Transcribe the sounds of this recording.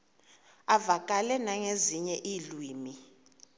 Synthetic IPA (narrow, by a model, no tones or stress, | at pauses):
avakʼalɛnaŋeziɲɛʔilwiːmi